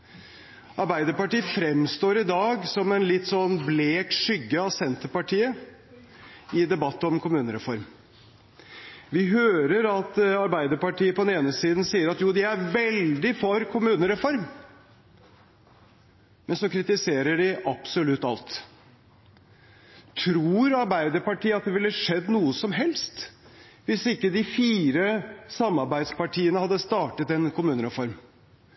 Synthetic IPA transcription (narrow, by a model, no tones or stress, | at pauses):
ʔɑɾbæɪd̪əɾpɑʈiːəfɾɛmst̪oːɾɪd̪ɑːɡsɔmɛnlɪt̪ːsɔnːbleːkʂʏɡːəɑʋsɛnt̪əpɑʈʰiːə | ɪd̪ɛbɑt̪ːəɔmkʰʊmʉːnəɾɛfɔɾm | ʋɪɦøːɾəɾɑt̪ɑɾbæɪd̪əɾpɑʈiːəpʰɔd̪ɛneːnəsiːd̪n̩siːəɾɑt̪juːd̪ɪæɾʋɛld̪ɪfɔɾkʰʊmʉːnəɾɛfɔɾm | mɛnsɔkʰɾɪt̪ɪseːɾəɖɪʔɑpsʊlʉt̪ːɑ̰lt̪ | t̪ʰɾuːɾɑɾbæɪd̪əɾpɑʈiːəɑt̪̚d̪ɛʋɪlːəʂɛd̪ːnuːəsɔmɦɛlst̪ | ʋɪsɪkːəd̪ɪfiːɾəsɑmːɑɾbæɪd̪spɑʈʰiːənəhɑd̪ːəst̪ɑːʈət̪ɛnkʊmʉːnəɾɛfɔɾm